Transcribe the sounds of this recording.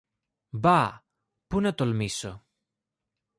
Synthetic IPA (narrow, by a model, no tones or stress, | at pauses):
bɐ | punɐt̪olmiso